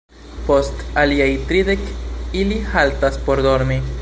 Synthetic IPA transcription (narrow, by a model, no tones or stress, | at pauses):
po̞staliajtɾid̪ekilihaltaspo̞ɾd̪o̞ɾmi